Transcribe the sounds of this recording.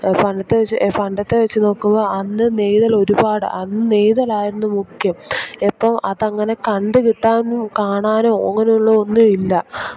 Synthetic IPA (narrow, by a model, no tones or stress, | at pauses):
fɐɳɖɐt̪ːeʋet͡ɕːfɐɳɖɐt̪ːe̞ʋet͡ɕːuno̞ːkːumbɐɐnːɨne̞jðɐlo̞ɾubaːɽɨ̰ʔɐnːɨne̞jðɐlaːjiɾunːumukjɐmepːɐmɐðɐŋːɐne̞kɐɳɖɨkiʈːaːnumkaːɳaːno̞ːɐŋːɐne̞juɭːɐonːuilːɐ